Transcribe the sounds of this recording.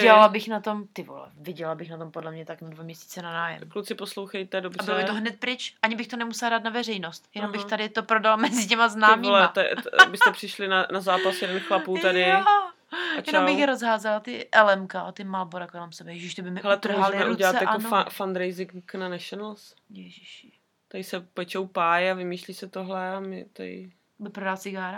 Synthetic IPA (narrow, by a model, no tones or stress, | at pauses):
ɛlalabɪxnat̪o̞mt̪ɪvo̰lɛ̰vɪɟɛlabɪxnat̪o̞mpodlɛmɲɛt̪aknadvamɲɛsi̥ːt͡sɛnanaːjɛ̰mklut͡sɪposlowxɛjt̪ɛdobrabɪlobɪt̪oɦnɛt̪̚pɾɪt͡ʃʔʔaɲɪbɪxt̪onɛmusɛladaːt̪navɛrɛjnost̪jɛnombɪxt̪adɪt̪opɾo̞dalmɛzɪcɛmaznaːmiolɛat̪ɛ̰bɪst̪ɛpr̥ɪʃlɪnanazaːpasjɛdɛnxlapuːadɪ | t͡ʃɛnomjɪxɾozɦaːzɛlat̪ɪʔɛlɛmkaʔot̪ɪmalboɾakolɛmsɛbɛjɛʒɪʃt̪obɪmɪhɛlɛt̪oʒlɛmɛuɟʲɛlatsjaonfafand̪ɾejzɪŋknanɛʃonls | jɛʒiʃ | t̪ajsɛpɛt͡ʃowpaːjavɪmiːʃliːsɛt̪oɦlɛamɪ̰t̪a̰jɪ̰ | bɪpɾodalt͡sɪɡaːɾa